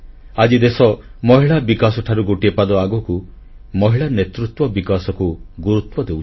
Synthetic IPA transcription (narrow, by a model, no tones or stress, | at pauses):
ad͡ʒid̪esɔmɔɦiɭabikasɔʈʰaɾuɡoʈiepad̪ɔaɡɔku | mɔɦiɭanet̪ɾut̪wɔbikasɔkuɡuɾut̪wɔd̪eu